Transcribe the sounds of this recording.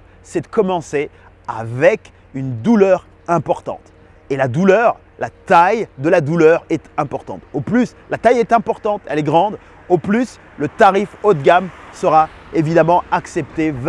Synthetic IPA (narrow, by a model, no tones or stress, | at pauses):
sɛd̪əkɔmɑ̃se | avɛk | ynd̪ulœʁ | ɛ̃pɔʁt̪ɑ̰̃t̪ | elad̪ulœʁ | lat̪ajd̪əlad̪ulœʁɛt̪ɛ̃pɔʁt̪ɑ̃t̪oplys | lat̪ajɛt̪ɛ̃pɔʁt̪ɑ̃t̪ɛlɛɡʁɑ̃d̪ | oplys | lət̪aʁifot̪̚ɡʲamsəʁa | evid̪amɑ̃aksɛp̚t̪ev